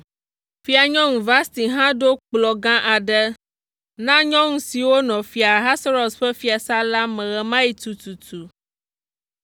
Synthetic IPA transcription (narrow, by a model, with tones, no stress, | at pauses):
fi˦a˨ɲɔ̃˦ŋũ˨va˦st̪i˨ɦã˦ɖo˦k͡plɔ˨ɡã˦ʔa˨ɖɛ˦ | nã˦ɲɔ̃˦ŋũ˦si˨wo˦nɔ̃˨fi˨a˨ɦa˦sa˦ɾɔ˨sɸɛ˦fi˦a˨sa˦la˦mɛ̃˨ɣɛ˨mã˦ji˨t̪u˨t̪u˨t̪ʰu˨